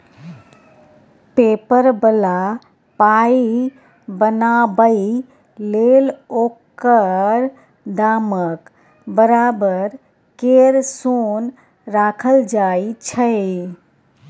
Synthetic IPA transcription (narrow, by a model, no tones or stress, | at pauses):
pepəɾbəla | pai | bənabəi | lelokəɾ | d̪amək | bəɾabəɾ | keɾson | ɾakʰəld͡ʒait͡ʃʰəj